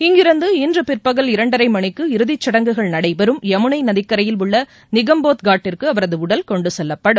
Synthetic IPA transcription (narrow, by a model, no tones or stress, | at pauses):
ɪŋɡɪɾɯnd̪ɯɪndrɯpɪrpɐɣɐlɪɾɐɳɖɐɾɐɪmɐɳɪkːɯɪɾɯðɪt͡ʃːɐɽɐŋɡɯɣɐɭnɐɽɐɪbɐɾɯmɛmɯɳɐɪnɐðɪkːɐɾɐjɪlʊɭːɐ | nɪɣɐmboːt̪ɡaːʈːɪrkɯɐʋɐɾɐðɯʊɽɐlkɔɳɖɯsɛlːɐpːɐɽɯm